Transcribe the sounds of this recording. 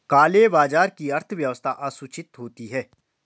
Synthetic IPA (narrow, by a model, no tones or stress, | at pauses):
kaːlebaːd͡ʒaːɾkiɐɾt̪ʰəʋjɐʋəst̪ʰaʔaːsʊt͡ʃɪt̪ɦoːt̪iɦɛː